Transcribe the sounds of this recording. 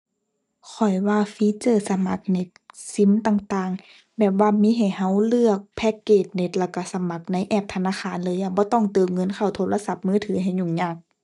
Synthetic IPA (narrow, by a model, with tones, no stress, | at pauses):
kʰɔ˨˩jwaː˧fiː˧˥t͡ɕɤː˧˩sa˧ma˧˦k̚ne˧˩t̪̚si˧˥˦mt̪aː˧˨ŋt̪aː˧˩ŋ | bɛː˨˩p̚waː˧miː˧˥ɦa˨˩jha˧˥˩wlɯ˧˩ək̚pʰɛː˧˩kːeː˧˩t̪̚ne˧˦t̪̚lɛː˧˩ka˧˩sa˧˦ma˧˦k̚na˧˥jʔɛː˧˩p̚t̪ʰa˧naː˧˥xʰaː˧˥˨nlɤː˧˦jʔa˧bɔː˧˦t̪ɔ˧˩˨ŋt̪ɤː˧˩mŋɤ˧˥˨nkʰa˧˩wt̪ʰoː˧˥la˧˨sa˧˦p̚mɯː˧˥˨t̪ʰɯː˨˦ɦa˧˨˩jɲu˧˩ŋɲaː˧˩k̚